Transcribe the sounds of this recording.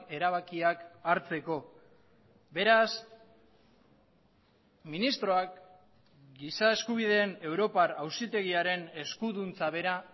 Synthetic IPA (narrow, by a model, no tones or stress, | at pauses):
e̞ɾaβ̞akiakaɾt͡se̞ko̞ | be̞ɾas | minist̪ɾo̞ak | ɡisae̞skuβ̞ið̞e̞ːne̞wɾo̞paɾawsit̪e̞ɣ̞iaɾe̞ne̞skuðunt͡saβe̞ɾa